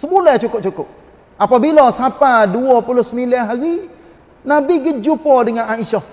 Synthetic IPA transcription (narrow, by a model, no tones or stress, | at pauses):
səmulɛt͡ʃukʊp̚t͡ʃukʊp̚ | apabilɔsapaduɔpulʊsəmilaɦaɾi | nabiɡəd͡ʒupɔdəŋanaiʃɔh